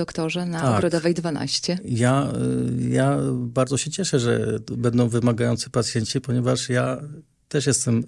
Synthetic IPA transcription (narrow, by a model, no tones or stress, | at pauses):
ɔkt̪ɔʐɛnaɔaɡɾɔd̪ɔvɛjd̪vana̰ɕt͡ɕɛja | jabaɾd̪zɔɕɛt͡ɕɛʂɛʐɛ̰bɛnd̪ɔ̃w̃vɘmaɡajɔnt̪sɘ̥pat̪sʲjɛɲt͡ɕipɔɲɛvaʂja | t̪ɛʂjɛst̪ɛm